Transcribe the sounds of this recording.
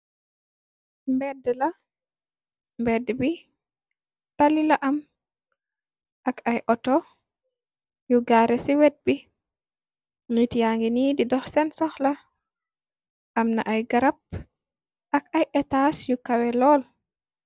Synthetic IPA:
mbɛdːəla | mbɛdːɛbi | talilaʔam | ʔakajʔɔtɔ | juɡaɾɛsiwɛt̚bi | ŋitijaŋɡinididɔxsɛnsɔxla | ʔamna̰ʔajɡaɾap̚ | ʔakajʔɛtasjukawɛlɔːl

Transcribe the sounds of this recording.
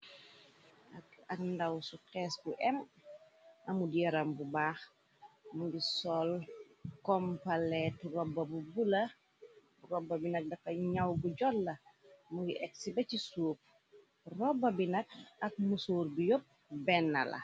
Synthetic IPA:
ʔɐkɐkndawsukɛːsbuʔɛm | ɐmudijɐɾɐmbubaːx | mudisɔlkɔmpɐlɛtrɔbːɐbubulɐ | rɔbːɐbinɐk̚dɐfɐɲɐwbuɟɔlːɐmuɡiʔɛk̚sibɐcisuːp̚ | rɔbːɐbinɐk̚ɐk̚musuːrbijop̚ | bɛnːɐ̰lɐ̰

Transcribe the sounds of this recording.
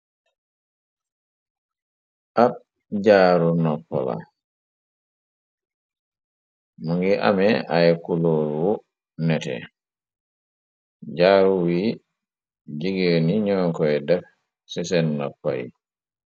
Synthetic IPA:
ʔat̚ | ɟaːɾunɔpːɔ̰la̰ | muŋɡiʔa̰mɛajɛkuloɾwu | nɛtɛ̰ | ɟaːɾuwiː | d͡ʒiɡeniɲɔːŋkɔɛdɛf | sɛsɛnːɔpːa̰jḭ

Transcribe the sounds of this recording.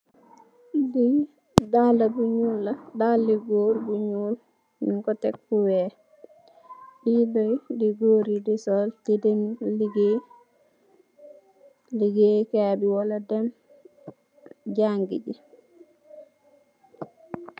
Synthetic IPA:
di | dalabuɲuːlːadalːiɡoɾbuɲuːl | miŋkɔtɛk̚buwɛː | bidojdiɡoːɾidisɔltidɛmliɡe | liɡekaːbiwaladɛm | ɟaŋɡḭɟi

